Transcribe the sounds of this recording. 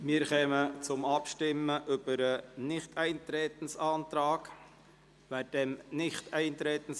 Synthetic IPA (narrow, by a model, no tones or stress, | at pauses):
mɪːɾχɛːmət͡sʊmɑpʃtɪməʔʏb̥əɾənɪχtʰɛɪnt̪ɾɛːt̪ən̩sɑːnt̪ɾɑːk | ʋæːd̥ɛmnɪχtɛɪnt̪ɾɛːt̪ən̩s